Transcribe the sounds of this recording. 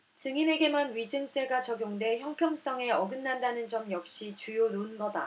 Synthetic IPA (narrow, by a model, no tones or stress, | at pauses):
t͡ɕɯŋine̞ɡe̞manɥid͡ʑɯŋt͡ɕ͈eɡat͡ɕʌɡjoŋde̞çjʌŋpʰjʌŋs͈ʌŋe̞ʌɡɯnːandanɯnd͡ʑʌmjʌk̚ɕ͈it͡ɕujononɡʌda